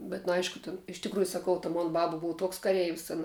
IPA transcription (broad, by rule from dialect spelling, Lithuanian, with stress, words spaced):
bʲɛt nʊ ˈɐɪʃkʊ tʲɪn ɪʃ tʲɪkˈruːjʊ sɐˈkɐʊ tɐ ˈmoːn ˈbɑːbɐ ˈbʊw ˈtuɔks kɐˈrʲɛɪʋʲɪs ˈɑːnɐ